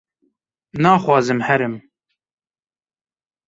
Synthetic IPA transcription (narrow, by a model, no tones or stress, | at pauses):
nɑːxwɑːzɨmhɛɾɨm